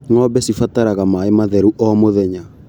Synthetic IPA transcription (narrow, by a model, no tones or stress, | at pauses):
ŋɔbɛsifataɾaɣamaemaðɛɾuʔɔmoðɛɲa